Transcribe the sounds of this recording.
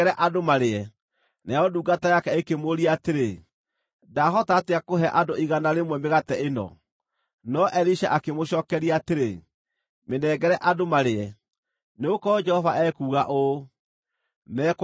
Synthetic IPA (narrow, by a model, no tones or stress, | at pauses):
ɾɛʔadomaɾeɛ | najɔduːɡatajakɛekemoɾiaateɾe | daɦɔtaːteakoɦɛʔadoiɣanaɾemwɛmeɣatɛenɔ̰ | nɔʔɛɾiʃa̰ʔakemoɕɔːkɛɾiaːteɾe | menɛːɡɛɾɛʔadomaɾeɛ | neokɔd͡ʒɛhɔvaʔɛkuːɣaʔo | mɛk